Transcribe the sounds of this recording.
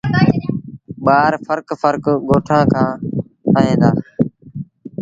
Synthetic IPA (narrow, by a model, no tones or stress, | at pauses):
ɓaːɾfəɾkfəɾkɡoːʈʰãːkʰãː | aːɦẽːnd̪aː